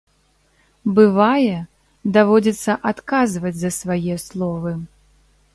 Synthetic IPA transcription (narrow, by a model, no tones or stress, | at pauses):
bɨvajɛ | d̪avɔd͡zʲit̪sːɐʔat̪kazvɐd͡zʲzɐsvajɛslˠɔvɨ